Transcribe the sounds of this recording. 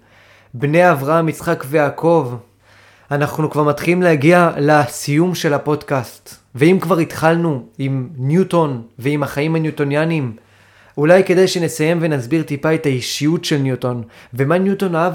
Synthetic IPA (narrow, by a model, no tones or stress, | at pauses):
bne̞avʁaamit͡sχakvejaːkʰo̞v | anaχnukvaʁmat̪χilimlehaɡialasijumʃe̞lapo̞dkast̪ | veimkvaʁit̪χalnuimnjuto̞nveimhaχaimhanjuto̞njanim | ulajke̞d̪ajʃe̞ne̞saje̞mve̞nazbiʁt̪ipae̞taiʃijutʃe̞lnjuto̞nve̞manjuto̞naav